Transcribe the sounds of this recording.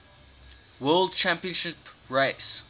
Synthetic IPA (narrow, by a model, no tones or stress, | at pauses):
wɜːld̚t͡ʃʰæ̃mpiə̃nʃɪpɹeɪs